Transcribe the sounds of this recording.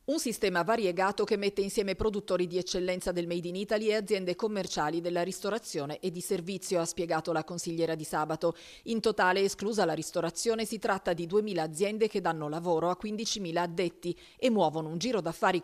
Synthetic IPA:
unsist̪ɛːmavaɾjeɡaːt̪okemːet̪ːeinsjɛːmepɾod̪ut̪ːoːɾid̪iɛt͡ʃːelːɛnt̪sad̪elmɛjd̪iniːt̪aliead̪zːjɛnd̪ekomːert͡ʃaːlid̪elːaɾist̪oɾat̪sːjoːneʔed̪ːiservit̪sːjoaspjeɡaːt̪olakonsiʎːɛːɾad̪isaːbat̪o | int̪ot̪aːleːskluːzalaɾist̪oɾat̪sːjoːnesit̪ɾat̪ːad̪id̪uemiːlaːd̪zjɛnd̪ek̟ed̪ːanːolavoːɾoakːwind̪it͡ʃimiːlaːd̪ːet̪ːi | emːwɔːvonound͡ʒiːɾod̪afːaːɾi

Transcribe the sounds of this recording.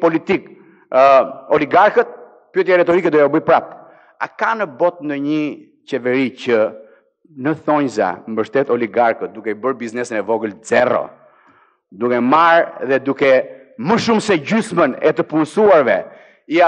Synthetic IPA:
pɔlit̪ik | ɔliɡaɾkət̪̚ | pɛt̪jaɾɛt̪ɔɾikɛd̪ukɛɔbəjpɾap | a̰kanəbɔt̪̚nd̪ɔɲə | t͡ʃɛvɛɾicə | nəθɔɲza̰mbəʃt̪ɛt̪ɔliɡaɾkət̪̚d̪ukɛibəɾbiznɛsinɛvɔɡəlzɛrɔ̰ | d̪ukɛmaɾðɛd̪ukɛ | məʃumsɛɟysmənɛ̰t̪əpunsuaɾvɛ | ia

